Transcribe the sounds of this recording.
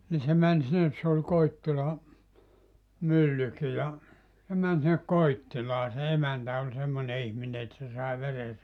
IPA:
ni se mæn sinːes se ol koitːilɑ mylːyki jɑ se mæn sinːe koitːilɑː se emæntæ olʲ semːone ihmine et se sɑˑe ʋere

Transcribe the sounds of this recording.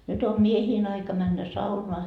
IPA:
nyt o miehiːn ɑikɑ mænːæ sɑunoɑ

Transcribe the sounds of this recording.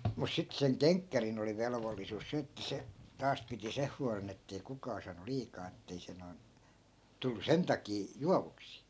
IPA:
mus sit seŋ keŋkːærin oli ʋelʋolːisus se etːæ se tɑːs piti seh huɑlen etːei kukɑː sɑːnu liːkɑː etːei se noi̯n tulːu sen tɑkiː juɑʋuksiː

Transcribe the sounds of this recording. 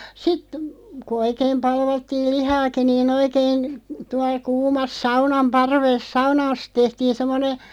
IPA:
sit ku oikeːm pɑlʋɑtːiːl lihɑːki niːn oikeːĭn tuɑl̆ kuːmɑs sɑunɑm pɑrʋes sɑunɑːs tehtiːn̞ semːone

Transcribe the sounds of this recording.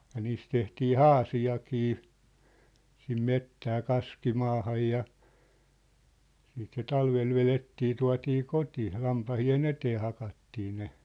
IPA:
jɑ niːs tehtiː hɑːsiɑkiː sim metːæː kɑskimɑːhɑj jɑ siːt se tɑlʋel ʋeletːiː tuɑ̝tiː koti lɑmpɑhien eteː hɑkɑtːiː ne

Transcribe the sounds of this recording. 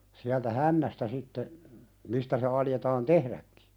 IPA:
siæltæ hænːæstæ sitːe mistæ se ɑljetɑːn tehɾækːi̥

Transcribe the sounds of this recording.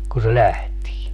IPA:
ku se læhtiː

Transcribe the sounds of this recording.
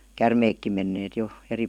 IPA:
kærmeːkːim menːeːt jo eri

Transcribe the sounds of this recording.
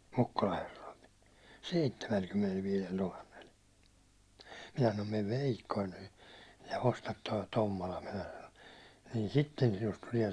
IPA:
mukːulɑ herːo̥i̥l̥ seitːemælkymːenelʋiːlel tuhɑnːel minæ sɑnom meʋ ʋeˑikːoin nyː jɑ ostɑt toi tomːolɑ minæ sɑno niːn sitːen sinust tuliɛ

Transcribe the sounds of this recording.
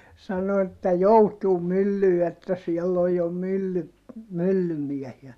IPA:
sɑno etːæ joutuːm mylːyː etːæ siɛlː oj jo mylːy mylːymiɛhiæ

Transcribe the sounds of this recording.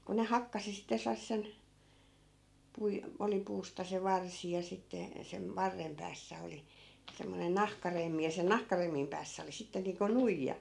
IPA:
ku ne hɑkːɑsi sitæ selˑɑsːen pui oli puːstɑ se ʋɑrsi jɑ sitːe sem ʋɑrːem pæːsːæ oli semːonen nɑhkɑremːi jɑ sen nɑhkɑremːim pæːsːæ oli sitːe niːŋko nuijːɑ

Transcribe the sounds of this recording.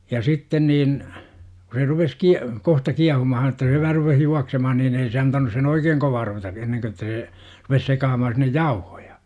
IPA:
jɑ sitːen niːn ku se rupes ki kohtɑ kiɑhumɑhɑn ĕtˑæ se ʋæhæ rupeh juɑksemɑhɑn niːn ei se ɑntɑnus sen oikeːŋ koʋɑː ruʋetɑ enːeŋkø ĕtːæ seː rupes sekɑːmɑhɑn sinːej jɑuho̥j̊ɑ̥

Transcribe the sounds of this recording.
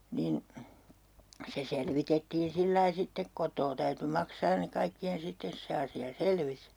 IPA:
niːn se selʋitetːiːn silːɑi sitːek kotˑoː tæyty mɑksɑːn ne kɑikːien sitːes se ɑsiɑ selʋis

